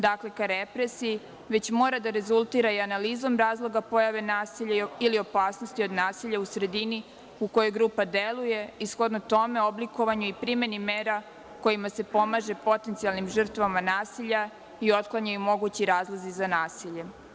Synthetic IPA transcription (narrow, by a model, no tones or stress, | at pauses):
d̪akle̞kaɾepɾesii | ʋe̞t͡ɕmo̞ːɾad̪aɾe̞zulˠt̪iɾaianaliːzo̞mɾaːzlˠo̞ɡapo̞jaʋe̞naːsiʎailio̞paːsno̞st̪io̞d̪naːsiʎausɾe̞d̪ini | uko̞jo̞jɡɾuːpad̪e̞luje̞isxo̞d̪not̪o̞me̞o̞bliko̞ʋaɲuipɾime̞nimeːɾa | ko̞jimase̞po̞maʒe̞po̞t̪e̞nt̪sialnimʒər̩t̪ʋamanaːsiʎa | io̞t̪klˠaɲajumo̞ɡut͡ɕiɾaːzlˠazizanaːsiʎe̞